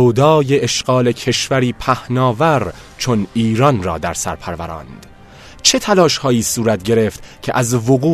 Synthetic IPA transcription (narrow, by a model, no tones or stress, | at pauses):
od̪ɒːjeʔːʃɢ̥ɒːle̞cʰe̞ʃvæɾiːpʰæhnɒːvæɾ | t͡ʃʰo̞niːɾɒnrɒ̰ːd̪æɾsæ̰ɾpʰæɾvæɾɒ̰ːnd̪̥ | t͡ʃʰe̞t̪ʰælɒːʃhɒːjiːsuːɾæt̪̚ʰɟe̞ɾe̞ft̪cʰḛʔæzvoɣuː